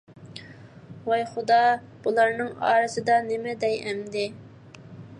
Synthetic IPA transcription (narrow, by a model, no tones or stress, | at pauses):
wɛjχʊd̪ɑ | b̥ulˠɑɾnɨŋɑ̰ːɾɨsɨd̪ɑnɪmɛd̪ɛjɛmd̪ɪ